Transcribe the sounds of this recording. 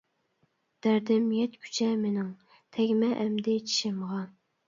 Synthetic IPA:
d̪̥æɾd̪ɪmjɛt̪kʲʰy̥t͡ʃʰɛmenɪŋ | t̪ʰɛɡʲmɛʔɛmd̪ɪt͡ʃʰi̥ʃɪmʁɑ

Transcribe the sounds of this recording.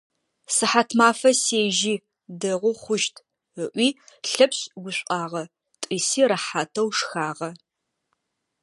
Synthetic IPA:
sɨħatʰmaːfɐseːʒiː | dɐʁʷʊχʷʊʃtʰ | əʔʷiːɬɐpɕɡʷʊɕʷʼɑːʁɐ | tʼiːsiːɾɐħaːtʰɐwʂxaːʁɐ

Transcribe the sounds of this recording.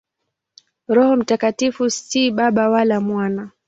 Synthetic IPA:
ɾɔhɔm̩takatifustiɓaɓawalamwana

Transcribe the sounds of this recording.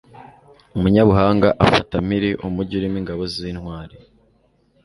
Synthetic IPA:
umuɲaβuɦaːŋɡaʔafatamiɾiʔumuɾɟuɾimiŋɡaβoziːnhwaːɾe

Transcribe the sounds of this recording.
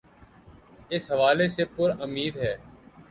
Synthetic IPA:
ɪsɦəʋaːlesepʊɾəmiːd̪ɦɛː

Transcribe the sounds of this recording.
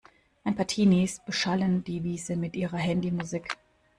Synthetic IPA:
ʔaɪnpʰaːɐtʰiːnisb̥əʃalənd̥iːviːzəmɪtʔiːʁɐɦɛndimuziːk

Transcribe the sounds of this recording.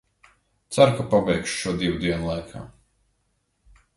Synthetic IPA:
t̪saɾkapabɛjkʃu̥ʃuɔd̪iwud̪iɛnlˠajkʰa̰ː

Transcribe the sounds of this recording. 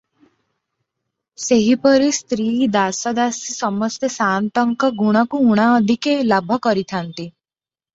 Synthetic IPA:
seɦipɔɾist̪ɾid̪asɔd̪asisɔmɔst̪esant̪ɔŋkɔɡuɽ̃ɔkuuɽ̃aɔd̪ʱikelabʱɔkɔɾit̪ʰant̪i

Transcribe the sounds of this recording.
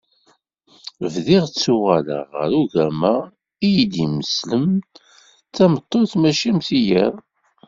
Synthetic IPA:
vðiʁt͡sːuʁæla̰ʁə̰ɾuʝæmæ | ijd̪iməsləm | θæmət̪ˤːoθmæʃæmθijæɾ

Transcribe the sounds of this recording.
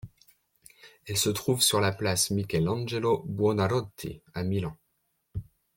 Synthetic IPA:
ɛlsət̪χuvsyʁlaplasmikʲɛlɑ̃ʒelobwɔnaɾɔt̪ḭamilɑ̃

